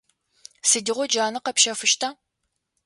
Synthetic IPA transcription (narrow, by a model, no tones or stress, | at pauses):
sɨdɨʁʷɔd͡ʒaːnɨqɐpʃɐfɨʃtʰaː